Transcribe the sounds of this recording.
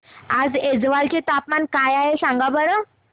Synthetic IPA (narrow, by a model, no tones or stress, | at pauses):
ad͡zed͡zʋalt͡ɕet̪apmankajaɦesãŋɡabəɽa